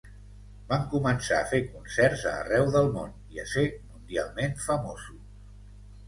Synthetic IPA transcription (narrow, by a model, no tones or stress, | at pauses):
baŋkumənsa̰əfekunsɛrzə̰ːrɛwðəlˠmon | iəsemund̪ialˠmenfəmozu